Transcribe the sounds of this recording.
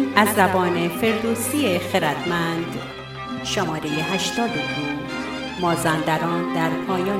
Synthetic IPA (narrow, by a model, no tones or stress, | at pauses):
næzːæbɒːnefe̞ɾd̪oːsiːexeɾæd̪̥mænd̪ | ʃomɒːɾejeɦæʃt̪ɒːd̪ed̪u | mɒːzænd̪æɾɒːnd̪æɾpʰɒːjɒː